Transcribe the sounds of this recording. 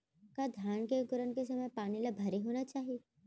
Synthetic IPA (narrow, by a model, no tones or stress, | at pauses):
kad̪ʱjaːɳkeɡʊɾənkes̬ɐməjpaːnilabʱɐɾeɦoːnat͡ʃaːɦie